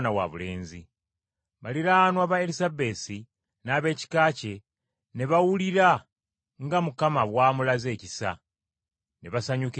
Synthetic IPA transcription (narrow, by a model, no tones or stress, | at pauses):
nawa̰βule̞ːnzḭ | βaliɾaanwaːβaelizabe̞ːsi | naːβe̞ːci̥kaːce̞ | ne̞βawuliɾa | ŋɡamukamaβwaːmulaze̞ːcisa̰ | ne̞βasaɲuk